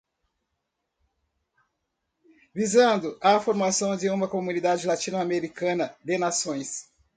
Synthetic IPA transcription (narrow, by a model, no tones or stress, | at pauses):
vizɐ̃nd̪ʊʔafoɾmasɐ̃w̃d͡ʒɪũmɐkomunid̪ad͡ʒɪlat͡ʃĩnʊameɾikɐ̃nɐd̪enasõj̃s